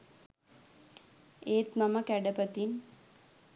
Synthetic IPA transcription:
eːt̪maməkæɖəpət̪in

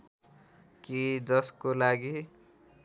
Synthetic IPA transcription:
kid͡zʌskolaɡi

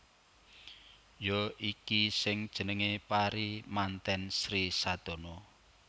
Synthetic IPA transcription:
joikisɪŋd̥ʒ̥ə̤nəŋepaɾimant̪ɛnsɾisad̪̥o̤no

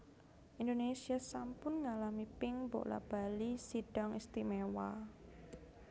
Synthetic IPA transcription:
ʔind̪onesiasampʊnŋalamipɪŋbo̰ʔla̰b̥a̤lisiɖ̥ɔŋist̪imewa

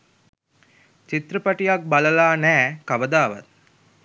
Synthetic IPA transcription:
t͡ʃit̪rəpaʈijak̚baləlaːnæːkaʋəd̪aːʋa̰t̪̚

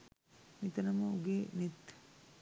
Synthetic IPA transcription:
nit̪ɐnɐmɐuɡeːnit̪ː

